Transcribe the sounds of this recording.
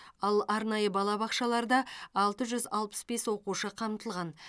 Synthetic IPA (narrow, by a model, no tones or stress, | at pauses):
ɑlˠɑɾnɑjəbɑlˠɑbɑqʃɑlˠɑɾd̪ɑɑlˠt̪əʒʏzɑlˠpə̥sbe̞swo̞quʃəqʰɑmt̪əlˠʁɑn